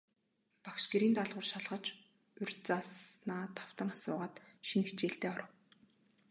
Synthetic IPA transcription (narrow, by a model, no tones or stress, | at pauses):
pakʃɡeɾiːnt̪aɮʁʊ̆rʃaɮʁə̆t͡ɕ | ɵr̥ʲt͡sasnaːt̪ʰḁw̥t̪ə̆ŋasʊːʁaːt̪ʃinit͡ɕeːɬt̪eːɔɾə̆w